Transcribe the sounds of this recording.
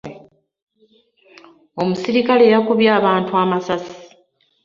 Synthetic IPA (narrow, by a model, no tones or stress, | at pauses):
o̞musiɾikale̞ːjakuβjaːβaːntuaːmasasi̥